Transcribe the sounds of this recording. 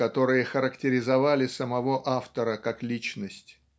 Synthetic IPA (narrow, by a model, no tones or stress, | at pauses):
ɐt̪o̞ɾɨjəxəɾəktʲɪɾʲɪzɐvalʲɪsəmɐvo̞ʔaft̪əɾəkaklʲit͡ɕnəsʲtʲ